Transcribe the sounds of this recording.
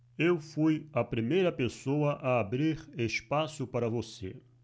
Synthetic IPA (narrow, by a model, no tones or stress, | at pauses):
ewfujɐpɾimejɾɐpesowɐʔaːbɾiɾespasʊpaɾɐvosḛ